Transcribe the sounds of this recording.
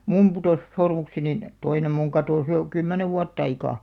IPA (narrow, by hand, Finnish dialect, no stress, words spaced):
mum putoˑs sormuksenin toinem muŋ kɑtoˑs jo kymːæneʋ ʋuɑtː ɑikɑˑ